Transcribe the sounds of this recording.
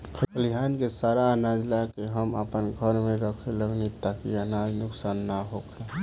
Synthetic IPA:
kʰəkʰəliɦaːnkesaːɾaənaːd͡ʒlakeɦəmə̰pənɡʱəɾmẽɾəkʰeləɡnit̪akianaːd͡ʒnʊksaːnːaɦokʰa

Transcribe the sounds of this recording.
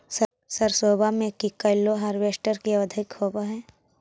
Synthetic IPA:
s | sɐɾsoːbamẽkikɐlːoɦaɾʋeːsʈəɾkiɐəd̪ʱɪkhoːbaɦɛː

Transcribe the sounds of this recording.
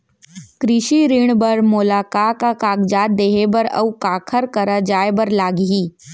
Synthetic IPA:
kɾɪʃiɾiɽbɐɾmʊlaːkaːkakaːɡd͡ʒaːt̪̚d̪eːɦebɐɾɐ̰ukaːkʰəɾkɐɾad͡ʒaːebɐɾlaːɡɦiː

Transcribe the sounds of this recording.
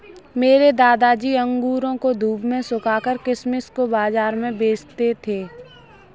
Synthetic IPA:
meːɾed̪aːd̪ad͡ʒiːə̃ŋɡuːɾõkod̪ʱuːbʱmẽsʊkʰaːkəɾkɪsmɪskobaːzaːɾmẽbeːt͡ʃt̪et̪ʰeː

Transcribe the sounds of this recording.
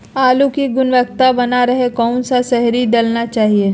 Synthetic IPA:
aːlukiɡʊnʋək̚t̪abɐnaɾɐɦekɔːnsasɛɦɾiɖɐlnat͡ʃaːɦieː

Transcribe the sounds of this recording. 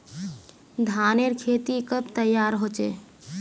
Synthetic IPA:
d̪ʱaːneɾkʰeːt̪ikəbt̪əjːaːɾɦoːt͡ʃḛː

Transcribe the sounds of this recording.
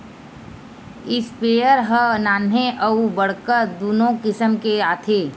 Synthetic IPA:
ɪspeːəɾɦənaːnɦẽʔəubəɽkəɾd̪oːnõkɪsəmkeaːt̪ʰeː

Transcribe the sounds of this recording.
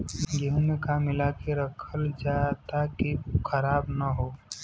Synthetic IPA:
jeɦə̃mekamːɪlakeɾəkʰəld͡ʒat̪akikʰəɾaːbnəɦo

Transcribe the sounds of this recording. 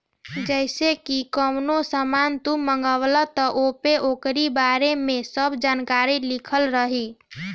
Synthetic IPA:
d͡ʒɛɪsekikəmnosəmant̪uməŋɡəwlət̪əʔopeʔokɾibaɾemẽsəbd͡ʒankaɾilikʰəlɾəɦi

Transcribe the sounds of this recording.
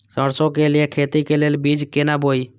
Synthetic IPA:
səɽsõːkeːlɪjekʰeːt̪iːkeːleːlbiːd͡ʒkenaːbʱoːiː

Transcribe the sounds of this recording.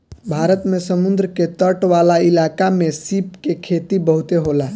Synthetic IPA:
bʱaɾət̪mesəmund̪ɾəket̪əʈʋalailakamesipkekʰet̪ibəɦut̪eɦola

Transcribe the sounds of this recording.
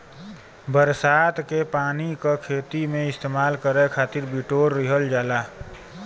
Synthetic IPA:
bəɾsat̪kepaːnikakʰeːt̪imẽɪst̪eːmaːlkəɾɛkʰaːt̪iɾbiʈoɾːiɦəld͡ʒaːla

